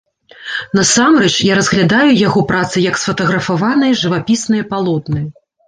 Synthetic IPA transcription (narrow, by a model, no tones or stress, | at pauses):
nɐsamrɛt͡ʂjaɾɐzɣlʲad̪ajujaɣɔpɾat̪sɨjɐksfɐt̪ɐɣɾɐfavanɐjɐʐɨvapʲisnɨjɐpalˠɔd̪nɨjɐ